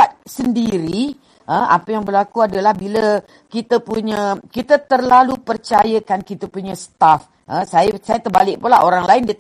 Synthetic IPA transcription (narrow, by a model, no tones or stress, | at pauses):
at̪̚səndiɾi | ʔəa̰pəjaŋbəlakuadəlahbilə | kit̪əpuɲə̃kit̪ət̪ərlalupərt͡ʃajəkankit̪əpuɲə̃sə̥t̪af | ʔə̃sajsajət̪ərba̰lɪk̚pulaɦoɾaŋlaɪndiə